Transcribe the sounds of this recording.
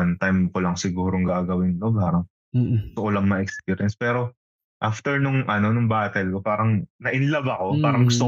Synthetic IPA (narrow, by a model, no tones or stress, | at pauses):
ɐnt̪ajmkolɐŋsɪɡuːɾoŋɡaːɡɐwɪnlopaːɾɐŋ | ɡʊt̪ʊkolɐŋmɐɛkspiːɾjɐnspɛːɾo̞ | ʔaft̪ɛɹnʊŋʔɐno̞nʊŋbaːt̪ɛlko̞paːɾɐŋnɐʔɪnlɐbɐko̞paːɾɐŋɡʊst̪ʊ